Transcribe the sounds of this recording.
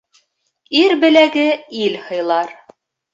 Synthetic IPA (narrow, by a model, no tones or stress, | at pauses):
iɾbɘ̆læɡɘilhɤ̆jlˠɑɾ